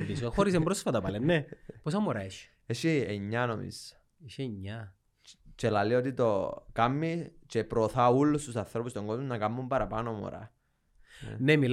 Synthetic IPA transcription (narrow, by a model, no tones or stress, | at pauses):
pisoxoɾis̬embɾosfɐt̪ɐpɐlennːeposɐmoɾɐeʃ | eʃieɲːɐnomḭs | iʃeɲːɐ | t͡ʃelaliot̪it̪o̞kamːit͡ʃepɾoθaulːust̪usɐnθɾopust̪oŋɡozmunɐkamːumpɐɾɐpanomo̰ɾɐ̰ | nemil